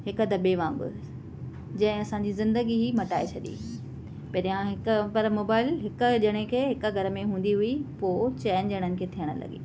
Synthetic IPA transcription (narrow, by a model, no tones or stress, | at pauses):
ɦɪkd̪ɐbeʋãːmbʊ̰ | d͡ʑɐ̃ɦɪ̃ɐsãɲd͡ʑizɪ̃nd̪əɡiɦimɐʈaːet͡ɕʰɐɗḭ | pɐɾijãɦɪkpɐɾmoːbaːɪlɦɪkʊ̆ʄɐɽ̃ekʰeːɦɪkə̆ɡʱɐɾəmẽɦũːn̆d̪iɦʊipoːt͡ɕɛːənd͡ʑɐɽ̃ənɪ̆kʰeːt̪ʰijəɽ̃ʊ̰̆lɐ̰ɡḛ